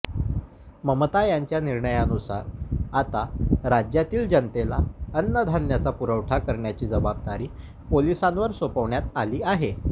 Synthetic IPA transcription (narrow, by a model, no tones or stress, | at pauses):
məmət̪ajaɲt͡ɕjaniɾɳəjanusa̰ɾat̪aɾad͡ʑjat̪iːld͡ʑənt̪elaənːəd̪ʱanːjat͡sapuɾəʋʈʰakəɾɳjat͡ɕiːd͡zəbab̚d̪aɾiː | polisãnʋəɾsopəʋɳjat̪aliːaɦe